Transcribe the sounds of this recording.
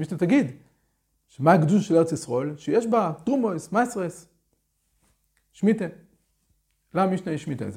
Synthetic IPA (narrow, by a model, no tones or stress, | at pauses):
miʃnat̪aɡid̪ | ʃemaːɡd̪ulʃeleet͡sisʁoelʃejeʃbat̪ʁumojsmasʁes | ʃmit̪e | laamiʃnajiʃmit̪ḛz